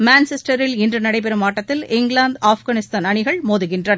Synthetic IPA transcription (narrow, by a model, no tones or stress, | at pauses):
maːnsɛsʈɐɾɪlɪndrɯnɐɽɐɪp̬ɛɾɯmaːʈːɐt̪ːɪlɪŋɡɭaːnd̪aːfɣaːnɪst̪aːnɐɳɪɣɐɭmoːðɯɣɪndrɐn